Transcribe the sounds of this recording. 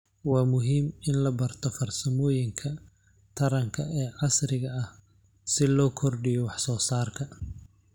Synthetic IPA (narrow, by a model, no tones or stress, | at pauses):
wɑːmʊɦiːmɪnlɐbɐrt̪ʰɔfɐrsɐmɔːjɪŋkʰɐ | t̪ʰɐɾɐŋkʰɐɛːʕɑsrɪɣɐɐh | sɪlɔːkʰɔrɖɪjɔwɑħsɔːsaːrkʰɐ